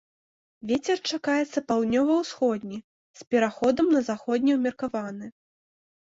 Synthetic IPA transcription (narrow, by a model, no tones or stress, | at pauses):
vʲet͡sʲɛrt͡ʂakajɛt̪sːɐpawd̪nʲɔvɐwsxɔd̪ʲnʲi | spʲɛɾaxɔd̪ɐmnɐzaxɔd̪ʲnʲɛwmʲɛrkavanɨ